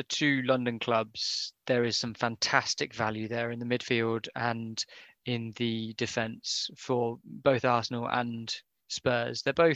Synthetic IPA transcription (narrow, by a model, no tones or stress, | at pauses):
ətʰʉːlʌ̃ndə̃nkʰl̥ʌbz̥ðəɹɪz̥sʌ̃ɱfãntʰastɪkvaljʉðəɹɪ̃nðəmɪd̥fiːlˠdə̃n | ɪ̃nðədɪfɛ̃nsfəbəʊθɑˑsənələ̰̃n | spɜːzðəbəʊ